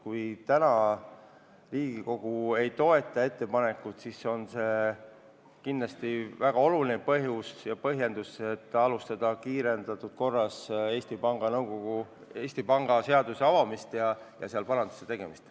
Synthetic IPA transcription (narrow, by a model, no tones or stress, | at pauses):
kujt̪ænɑ | riːɡ̥iko̞ɡ̥ue̞jt̪o̞e̞t̪ˑːɑe̞t̪ːe̞pɑne̞kːˑut̪siso̞nse̞ | kindlɑst̪ivæɡ̥ɑo̞lulinepɤɦjusjɑpɤ̞ɦje̞nd̪uset̪ːˑɑlust̪ɑd̪̥ɑkiːɾe̞nd̪̥ɑt̪ːˑud̪̥̚ko̞rːɑse̞ːst̪ipɑŋɡ̥ɑnɤwɡ̥o̞ɡ̥u | e̞ːsʲt̪ipɑŋɡ̥ɑse̞ɑd̪use̞ɑvɑmist̪jɑjɑ̰seɑlpɑɾɑnd̪̥ɑ̥set̪e̞ɡ̥e̞mist̪